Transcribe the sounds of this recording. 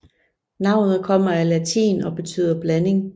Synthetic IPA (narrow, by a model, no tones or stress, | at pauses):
nɑ̈ʊ̰nð̩ˠkʰɒ̽m̰ɐælæt͡sʰḭːnɒ̽b̥e̝t͡sʰy̰ːð̰ˠɐb̥læne̝ŋ